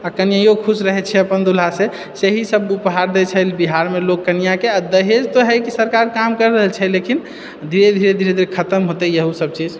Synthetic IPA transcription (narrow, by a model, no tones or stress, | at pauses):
akənijajokʰusɾəɦɛt͡ʃʰɛəpənd̪ul̤ase | seɦisəbupɦaɾd̪ɛt͡ʃʰɛlbiɦaɾmelokːənijakeəd̪əɦed͡ʒt̪oɦɛjkisəɾkaɾkamkəɾɾəɦəlt͡ʃʰɛlekin | d̪ʱiɾed̪ʱiɾed̪ʱiɾed̪ʱiɾekʰət̪əmɦot̪ɛjəɦusəb̚t͡ʃid͡ʒ